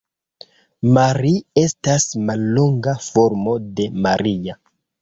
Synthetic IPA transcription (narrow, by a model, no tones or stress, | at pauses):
maɾie̞stasmalːoŋɡafo̞ɾmo̞de̞maɾia